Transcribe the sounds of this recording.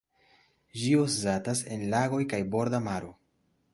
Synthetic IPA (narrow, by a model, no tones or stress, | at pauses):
d͡ʒioszatase̞nlaɡo̞jkajbo̞ɾdamaɾo